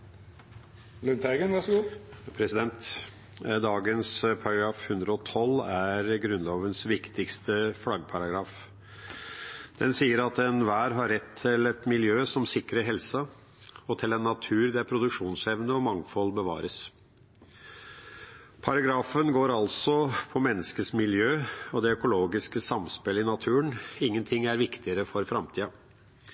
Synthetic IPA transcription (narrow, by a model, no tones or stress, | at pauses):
lʉnt̪ʰæɪɡənʋæʂɡuːpʰɾɛsɪd̪ɛnt̪ | d̪ɑːɡənspʰɑɾɑɡɾɑːfhʉnd̪ɾəɔt̪ʰɔlæɾɡɾʉnloːʋənsʋɪkt̪ɪkst̪ʰəfɽɑɡpʰɑɾɑɡɾɑːf | d̪̥ɛnsiːəɾɑt̪ɛnʋæːɾɦɑɾɛt̪ʰːɪlɛt̪mɪljøːsɔmsɪkɾəɦɛlsɑ | ɔt̪ʰɪlɛnːɑt̪ʰʉːɾd̪æpʰɾʊd̪ʉkʂuːnsɛʋnəɔmɑŋfɔlːbəʋɑ̰ːɾəs | pʰɑɾɑɡɾɑːfənɡoːɾɑlsɔpʰɔmɛnːəskəsmɪljøːɔd̪ɛœkʊloːɡɪskəsɑmspɪlɪnɑt̪ʰʉːənɪŋːənt̪ʰɪŋːæɾʋɪkt̪ɪəɾəfɔɾfɾɑmt̪ʰiːɑ